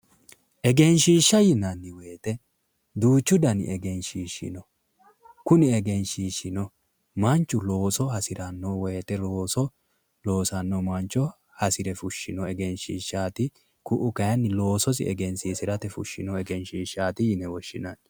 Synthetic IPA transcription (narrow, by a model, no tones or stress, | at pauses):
ʔɛɡɛnʃiːʃːɐjɪnɐnːɪwejːt̪ɛ | d̪uːt͡ʃːʊd̪ɐn̰ʔɛɡɛnʃiːʃɪ̰nɔ | kʊnɪɛɡɛnʃiːʃːɪnɔ | mɐnt͡ʃːʊlo̞ːsɔhɐsɪɾɐnːowɛjːt̪ɛloːsɔ | lo̞ːsɐnːɔmɐnt͡ʃːɔ | hɐsɪɾɛfʊʃːɪ̰nɔɛɡɛnʃḭːʃːaːt̪ɪ | kʊʔʊkɐjɐnːɪlo̞ːsɔs̬ɪ̰ɛɡɛnsiːsɪɾɐt̪ɛfʊ̰ʃːɪ̰nɔɛɡɛnʃiːʃːaːt̪ɪjɪnɛwɔʃːɪnɐn